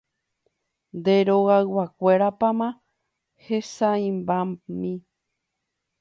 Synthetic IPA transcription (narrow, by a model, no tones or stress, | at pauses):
nd̪eɾoɣaɨwakʷeɾapamã | hesaĩmbamĩ